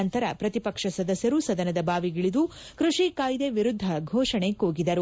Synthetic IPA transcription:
ɐnt̪ɐɾɐpɾɐt̪ipɐkʂɐsɐd̪ɐsjɐɾusɐd̪ɐnɐd̪ɐbaːʋiɡiɭid̪u | kɾuʂikaːjd̪eʋiɾud̪ʱːɐɡʱɔːʂɐɳekoːɡid̪ɐɾu

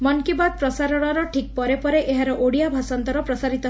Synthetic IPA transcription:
mɔnkibad̪̚pɾɔsaɾɔɽ̃ɔɾɔʈʰik̚pɔɾepɔɾeʔeɦaɾɔʔoɽijabʱasɔnt̪ɔɾɔpɾɔsaɾit̪ɔ

